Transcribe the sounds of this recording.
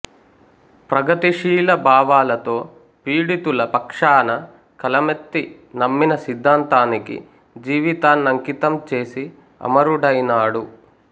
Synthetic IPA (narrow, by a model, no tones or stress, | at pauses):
pɾɐɡɐt̪iʂiːlɐbaːʋaːlɐt̪o̞ː | piːɽit̪ulɐpɐkʂaːnɐ | kɐlɐmet̪ːi | nɐmːinɐsid̪ʱːaːnt̪aːnikḭ | d͡ʒiːʋit̪aːnːɐŋkit̪ɐmt͡ʃe̞ːsi | ɐ̰mɐɾuɽɐjnaːɽu